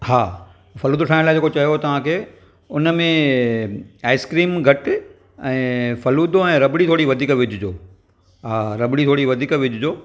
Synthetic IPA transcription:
haː | fɐluːd̪oʈʰaːɪñlaːd͡ʑeːkot͡ɕɐjot̪ɐʋ̤ãkʰeː | ʊnəmẽ | aːɪskɾiːmɡʱɐʈɪ | ɛ̃ːfɐluːd̪oɛ̃ːɾɐbɪɽit̪ʰoːɽiʋɐd̪ʱiːkʋɪd͡ʑʱɪd͡ʑoː | ɦaːɾɐbɪɽ̃it̪ʰoːɽiʋɐd̪ʱiːkʋɪd͡ʑʱʊd͡ʑoː

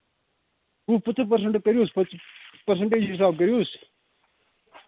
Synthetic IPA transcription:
ɦuːpət͡səpɐɾs̬əɳʈkɐɾjoːsppɐɾs̬əɳʈeːt͡ʃɦɪs̬aːb̚k̬ɐɾjoːs

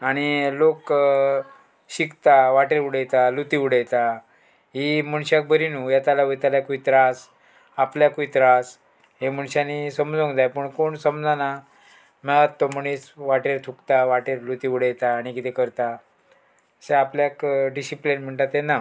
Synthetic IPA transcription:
aɽ̃ilok | ɕikt̪aʋaʈeɾuɽəjt̪alut̪iuɽəjt̪a | ɦimuɳɕak̚bʱəɾinuːjat̪alaʋət̪alakuit̪ɾas | apljakuit̪ɾas | ɦemuɳɕanisəmd͡zõŋɡd͡zajpəɳkoɳsəmd͡zana | mɛɭət̪ːɔməɽ̃it͡sʋaʈeɾt̪ʰukt̪aʋaʈeɾlut̪iuɽəjt̪aːɽ̃ikit̪ʰekəɾt̪a | əseapljakɖisiplinm̤əɳʈat̪ena

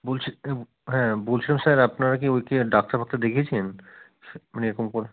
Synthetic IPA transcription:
boːlt͡ʃʰ | ɦɛ̃boːlt͡ʃʰilamsɐɾɐpnaɾak̬ioikeɖak̚ʈaɾbʱak̚t̪ad̪ekʰet͡ʃʰen | mneɾkomkol

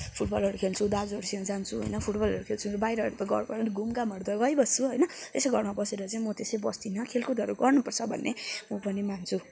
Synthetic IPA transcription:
pʰuʈbʌlɦʌɾukʰelt͡sʰud̪ad͡zʌɾusiʌ̃d͡zant͡sʰuɦo̰jnʌpʰuʈbʌlɦʌɾukʰelt͡sʰumeɾobajɾʌɦʌɾupʌɡʌ̰ɾpʌɾuniɡumɡamʌɽd̪ʌɡʌjbʌst͡sʰuɦʌjnʌt̪esʌjɡʱʌrmabʌseɾʌt͡saĩmʌt̪esʌjbʌst̪inʌkʰelkud̪ʱʌɾuɡʌrnupʌrt͡sʰʌbʱʌ̰nːemʌpʌnimant͡sʰu

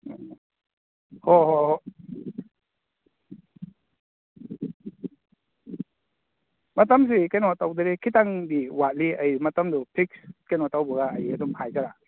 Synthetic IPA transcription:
hɔɦɔhɔ | mat̪ams̬ikanɔt̪awdɯɾikʰit̪aŋd̪iwat̚liʔəjmat̪amdupʰik̚skenɔt̪awbɔɡajadɔmpʰaːjkaɾa

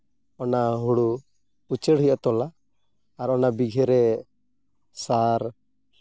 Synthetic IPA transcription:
ɔnaɦuɽu | ut͡ʃɛɽɦujʔat̪ɔlaː | ɾɔnabiɡʱɛɾɛ | saɾ

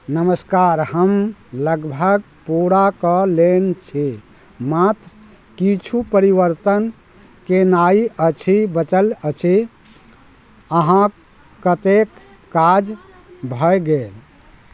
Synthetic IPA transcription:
nəməskaɾhəmləɡbʱəɡ̚ | puɾakəlent͡ʃʰi | mat̪ɾ | kit͡ʃʰupəɾiʋəɾt̪ən | kenaiət͡ʃʰibət͡ʃələt͡ʃʰi | əɦã | kət̪ekː | ad͡ʒ | bʱəjɡel

